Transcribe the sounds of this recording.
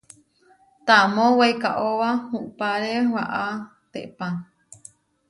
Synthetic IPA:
t̪amõwejkaʔowahuʔpaɾewaʔa | t̪eʔpaŋ

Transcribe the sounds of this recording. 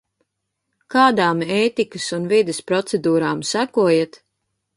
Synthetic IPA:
kaːd̪aːmeːt̪ikɨsunvid̪espɾɔt̪sɛd̪uːɾaːmsækuɔjet̪

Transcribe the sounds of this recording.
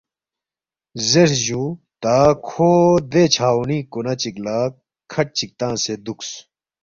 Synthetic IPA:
zeɾʑu | t̪aːkʰoːd̪et͡ɕʰaːwnĩːkonɐt͡ɕiklaːk | kʰɐʈ̚t͡ɕik̚t̪ãːsed̪uks

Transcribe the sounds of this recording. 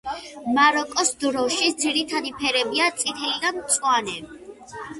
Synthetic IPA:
maɾɔkʼɔsd̪ɾɔʃid̪ziɾit̪ʰad̪ipʰɛɾɛbiat̪sʼit̪ʰɛlid̪amt̪sʼwanɛb

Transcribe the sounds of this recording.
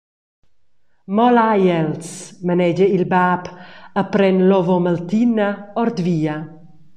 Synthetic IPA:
mɔlajɛlsmənɛd͡ʒəilbaːpəpɾɛnlɔvoməlt̪inəɔɾd̪viːɐ

